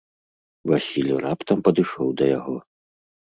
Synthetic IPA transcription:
vasʲilʲuɾapt̪ɐmpɐd̪ɨʂɔwd̪ɐjaɣɔ

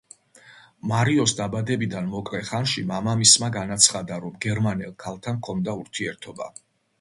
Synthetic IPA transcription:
maɾiɔsd̪abad̪ɛbid̪anmɔkʼlɛχanʃimamamismaɡanat̪sʰχad̪aɾɔmɡɛɾmanɛlˠkʰalˠt̪ʰankʰɔnd̪auɾt̪ʰiɛɾt̪ʰɔba̰

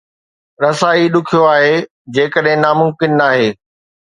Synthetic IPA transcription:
ɾɐsaːiɗʊkʰijoaːɦeː | d͡ʑeːkəɗɦɪ̃naːmʊ̃mkɪnːaːɦeː

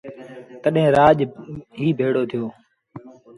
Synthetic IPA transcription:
t̪əɗɦẽːɾaːʄɦiːbʱeːɽoːt̪ʰɪjoː

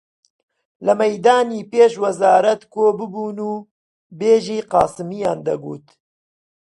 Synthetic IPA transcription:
lɐmɛjd̪ɑːniːpeːʃwɐzaːɾɐt̪koːbɨbuːnuː | beːʒiːqɑ̰ːsɨmijɑːnd̪ɐ̰ɡṵːt̪

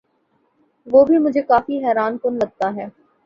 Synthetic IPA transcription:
ʋoːbʱimʊd͡ʒʱekaːfiɦɛːɾaːnkʊnlɐɡ̚t̪aɦɛː

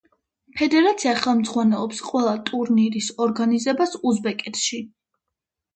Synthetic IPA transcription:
pʰɛd̪ɛɾat̪sʰiaχɛlˠmt̪zχwanɛlˠɔpsqʼwɛlˠat̪ʼuɾniɾisɔɾɡanizɛbasuzbɛkʼɛt̪ʰʃi

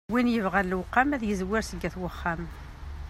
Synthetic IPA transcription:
winjəvʁælwqːæmæðjəzwɪɾsəɡːæθwəχːæm

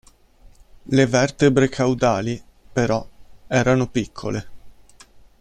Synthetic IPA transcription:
levɛrt̪ebɾekʰawd̪aːli | peɾɔɛːɾanopikʰːole

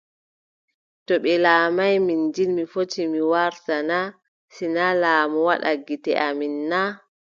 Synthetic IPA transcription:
tɔɓɛlaːmajmind͡ʒilmifotimiwaɾtana | sinalaːmɔwaɗa̰ɡitɛ̰ʔaminːa

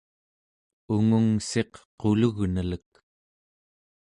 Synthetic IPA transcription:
uŋuŋse̞qqoluɣnələk̚

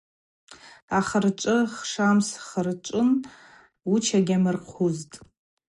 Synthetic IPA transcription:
aχərʈ͡ʂʷʼɨχʂamsχərt͡ʃʷʼʊn | ut͡ʃʰaɡʲamɨrqʷʰuztʼ

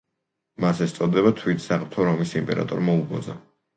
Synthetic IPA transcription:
masɛst̪sʼɔd̪ɛβat̪ʰwit̪ʰsaχt̪ʰɔɾɔmisimpʼɛ̰ɾa̰t̪ʼɔɾmaubɔ̰d̪za

